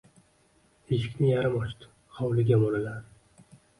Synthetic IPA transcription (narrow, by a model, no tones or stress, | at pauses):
heʃkʲʰnɪjaɾamɒʃt̪ʰʊ̥ | hɒwlɪɡʲamoɾɪlaɾ